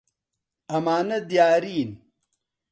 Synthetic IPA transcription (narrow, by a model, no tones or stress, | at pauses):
ɐmaːnɐd̪jaːɾiːn